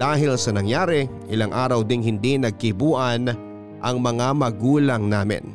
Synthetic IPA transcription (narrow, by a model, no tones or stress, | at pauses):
d̥̪aːɦɪlsɐnɐŋjaːɾɛʔɪlaŋʔaːɾɐwd̪ɪŋhɪnd̪inɐɡ̚kɪbuːʔɐn | ʔɐŋmɐŋamɐɡuːlɐŋnaːmɪ̰n